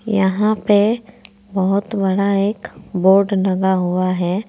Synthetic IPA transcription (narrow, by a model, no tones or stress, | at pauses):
jɐ̰ɦãpe | bɐɦʊt̪bɐɽaeːkboːɾɖlɐɡaɦuaɦɛː